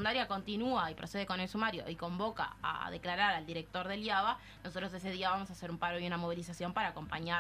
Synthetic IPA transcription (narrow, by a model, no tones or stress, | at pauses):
und̪aɾjako̞nt̪inuaipɾʔose̞ð̞eko̞ne̞lsumaɾjo̞̰ʔiko̞mbo̞ka̰a̰ðeklaɾaɾald̪iɾek̚t̪o̞ɾðe̞ljaβa | noso̞t̪ɾos̬e̞s̬e̞ð̞iaβamos̬ase̞ɾumpaɾoiunamo̞β̞ilisasjo̞mpaɾaːko̞mpaɲa